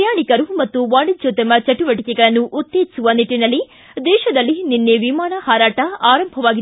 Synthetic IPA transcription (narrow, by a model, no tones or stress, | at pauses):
jaːɳikɐɾumɐt̪ːuʋaːɽid͡ʒot̪ɐmɐt͡ʃɐʈuʋɐʈikɛɡɐɭɐnːuʔut̪ːeːd͡ʒisuʋɐniʈːinɐlːi | d̪ɛːʃɐd̪ɐlːininːeʋimaːɳɐhaːɾaːʈɐaːɾɐmbʱɐʋaːɡi